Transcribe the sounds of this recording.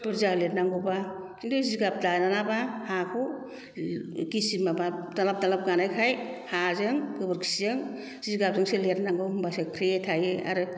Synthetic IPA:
bɯɾzalet̚naŋɡɯbasʰindɯziɡap̚dananabahakʰu | ɡisimabatalap̚dalap̚ɡanajkʰajhazɯŋkɯbɯɾkʰi̥sizɯŋ | ziɡap̚zɯŋseletnaŋɡɯhumbasekʰɾeetʰajea̰ɾɯ

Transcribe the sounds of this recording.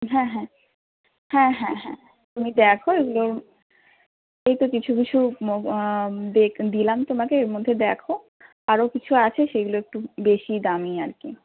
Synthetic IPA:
ɦɛ̃ɦɛ̃ | hɛ̃ɦɛ̃ɦɛ̰̃ | t̪umid̪ɛkʰoeɡulo | ejt̪okit͡ɕʰukit͡ɕʰuo | d̪ekd̪ilamt̪omakeeɾmod̪ʱːed̪ɛkʰo | aɾokit͡ɕʰuat͡ɕʰeʃeɡuloek̚ʈubeʃid̪amia̰ɾkḭ

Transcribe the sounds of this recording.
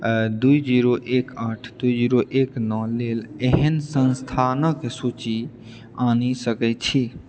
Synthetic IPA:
d̪ujd͡ʒiɾoʔekaʈʰd̪uid͡ʒiɾoʔeknɔleleɦənsə̃nst̪ʰanəksut͡ʃi | anisəkɛt̪̚t͡ʃʰi

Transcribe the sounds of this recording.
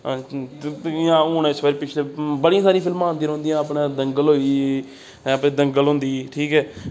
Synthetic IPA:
ãːuːnesʋəːɾipɪt͡ʃʰleːbəɽijãːsaːɾĩːpʰɪlmãːnd̪iːõːnd̪ijãːəpɽaːd̪əŋɡəlɦoːiː | əpɳẽːd̪əŋɡəlɦõːnd̪iːʈʰiːkɦɛː

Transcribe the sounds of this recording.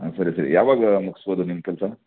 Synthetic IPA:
sɐɾesɐɾḭjaːʋaːɡmuksʋɐd̪unimkɛlsa

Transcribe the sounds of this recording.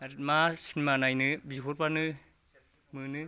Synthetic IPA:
ɾtmasinimanajnɯbiɦʰoɾpanɯ | mɯnɯ

